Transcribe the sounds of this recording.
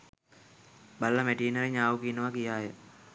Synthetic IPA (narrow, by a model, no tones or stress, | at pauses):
balːəmeʈiːnəɾeɲaːʋukinəʋakijaːjə